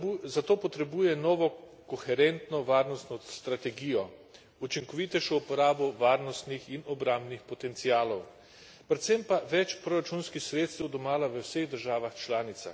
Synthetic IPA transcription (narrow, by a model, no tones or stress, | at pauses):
zat̪oːpɔt̪ɾɛbuːjɛnɔːʋɔ | kɔxɛɾɛnt̪nɔʋaːɾnɔst̪nɔst̪ɾat̪ɛɡiːjɔ | ut͡ʃiŋkɔʋiːt̪ɛʃɔupɔɾaːbɔʋaːɾnɔst̪nixinɔbɾãmbnixpɔt̪ɛnt̪siaːlɔw | pɾɛt̪sempaʋɛt͡ʃpɾɔɾat͡ʃunskixsɾeːt̪st̪ɛwd̪ɔmaːlaʋəwseɣd̪əɾʒaːʋaxt͡ʃlaːnit̪sa̰x